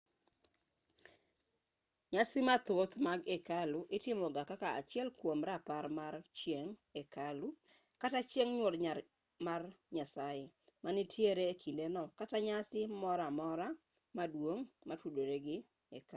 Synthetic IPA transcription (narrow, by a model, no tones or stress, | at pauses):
ɲasɪmat̪ot̪maɡekalʊʔɪtɪmɔɡakakaa̰t͡ʃɪɛlkwomɾapaɾmaɾt͡ʃjeŋekalu | katat͡ʃjeŋɲwotɲa | marɲasajemanɪtjeɾeːkʰindenɔkataɲasɪmɔɾamɔɾa | madwoŋmatudoɾeɡɪ | eka